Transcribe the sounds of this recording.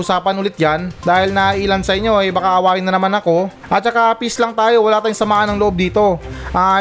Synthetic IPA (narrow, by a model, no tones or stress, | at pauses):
ʊsaːpɐnʔʊlɪt̪̚jand̪aːhɪlnɐʔiːlɐnsɐʔɪɲːo̞ʔɛbakaʔɐwaːʔɪnːɐnɐmanɐko̞ | ʔɐt̪̚t͡ʃɐkapislɐŋt̪aːjo̞wɐlaːt̪aːjoŋsɐmaːʔɐnɐŋloʔo̞b̚d̪iːt̪o̞ʔaː